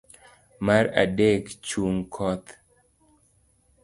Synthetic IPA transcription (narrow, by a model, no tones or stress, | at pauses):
maɾa̰dekt͡ʃuŋkʰɔt̪